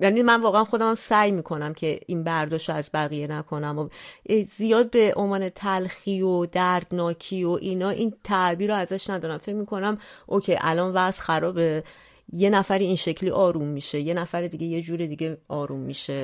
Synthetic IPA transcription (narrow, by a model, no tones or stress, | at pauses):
jænimænvɒːɣeænxo̞d̪æmæmsæjmiːkʰo̞næmcʰe̞inbæɾd̪ɒːʃtoæzbæɣije̞nækʰo̞næmozijɒːd̪̚be̞ʔomɒːne̞t̪ʰælxiod̪æɾd̪nɒːcʰiːo̞ʔiːnɒːʔint̪ʰæʔbiːɾoæzæʃnæd̪ɒːɾæmfe̞cmiːkʰo̞næmʔo̞cʰe̞jʔæ̰lɒnvæʔsxæɾɒːbe | je̞næfæɾiinʃe̞cʰliːʔɒːɾumːiʃe̞je̞næfæɾed̪iɟe̞je̞d͡ʒuːɾid̪iɟeɒːɾumːiʃe